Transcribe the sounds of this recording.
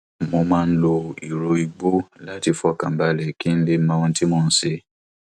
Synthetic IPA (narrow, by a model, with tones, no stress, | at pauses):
mo˧mãː˦˧n̩˦lo˧i˨ɾo˧i˧ɡ͡bo˦la˦ti˧fɔ˦˨kã˨ba˧lɛ˨ki˦n̩˦le˦˧m̩˦mã˦˧w̃ɔ̃˧˦ti˦mo˦˨n̩˦sʃe˧